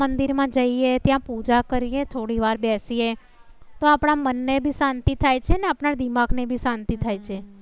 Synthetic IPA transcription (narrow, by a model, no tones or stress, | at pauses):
mənd̪iɾmãd͡ʒəiet̪jãpud͡ʒakəɾijet̪ʰoɽiʋaɾbɛsije | t̪oapɽ̃amənːebʱisãnt̪it̪ʰajt͡ʃʰeneapnad̪imaɡnebʱisãnt̪it̪ʰajt͡ʃʰe